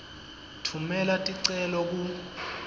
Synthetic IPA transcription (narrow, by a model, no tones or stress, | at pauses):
tʰumɛlatʼiǀɛlɔk̬u